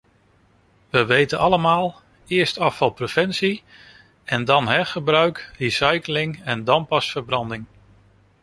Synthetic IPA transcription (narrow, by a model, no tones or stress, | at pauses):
ʋəʋejtənɑləmaːlˠ | ɪːɹstɑfɑlˠprofɛnsi | ɛndɑnɦɛχəbrœɥkrisɑjklɪŋɛndɑmpɑsfəɹbrɑndɪŋ